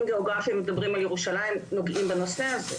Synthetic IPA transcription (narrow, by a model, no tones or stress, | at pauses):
mɡeoɡʁafimːedabʁimaljeʁuʃalaimno̞ɡʔimbeno̞seaze